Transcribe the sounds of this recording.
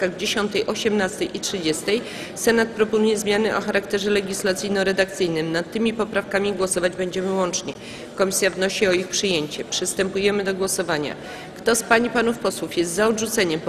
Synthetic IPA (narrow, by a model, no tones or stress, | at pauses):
kaɣd͡ʑeɕɔnt̪ɛjʔɔɕɛmnast̪ɛjʔitʂɘd͡ʑɛst̪ɛj | sɛnat̪̚pɾɔpɔnujɛzmʲjanɘʔɔ̰xaɾakt̪ɛʐɛlɛɡʲislat̪sɨjnɔ̃ɾɛd̪ak̚t̪sɘjnɘmnat̪ːɘmʲipɔpɾafkamʲiɡwɔsɔvad͡ʑbɛɲd͡ʑɛmɘwɔnt͡ʂɲɛ | kɔmʲisʲjavnɔɕiɔixpʂɘjeɲt͡ɕɛpʂɘst̪ɛmpujɛmɘd̪ɔɡwɔsɔvaɲa̰ | kt̪ɔspaɲipanufpɔswufjɛst̪zaɔdʐut̪sɛɲɛm